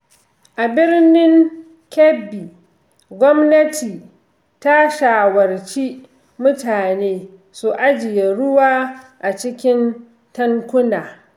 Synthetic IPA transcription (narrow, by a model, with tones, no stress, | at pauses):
ʔa˨bɪ˦rnɪ˦ŋ | kʲɛ˦bi˨ | ɡʷɔ˦mnɐ˦tʰiː˨ | ta˦ʃaː˨wɐ˨rt͡ʃi˦ | mʊ˦taː˨neː˦ | su˨ʔa˦d͡ʒɪ˨je˨ɽʊ˦waː˦ʔa˨t͡ʃɪ˦kʲɪ˦n | tɐ˦ŋkʷʊ˦naː˨